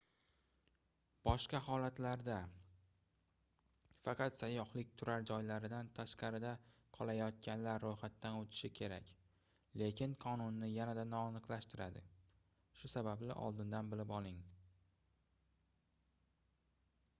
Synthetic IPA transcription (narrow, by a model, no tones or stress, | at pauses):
b̥ɒʃqɑhɒlat̪laɾd̪a | fɑqʰɑt̪sajːɒhlɪk̚ʲt̪ʰʊɾaɾd͡ʒɒjlaɾɪd̪ant̪ʰaʃqɑɾɪd̪aqʰɒlˠajɒt̪̚kʲanlaɾːojχat̪ːanot̪ʰɪ̥ʃɪkʲʰe̞ɾa̰kʲ | le̞kʲɪnqʰɒnʊnːɪjanad̪anɒːnɨqlaʃt̪ɪɾad̪ɪ̰ | ʃʊsabablɪʔɒ̰lˠd̪ɪnd̪anbɪlɪpɒlˠɪŋ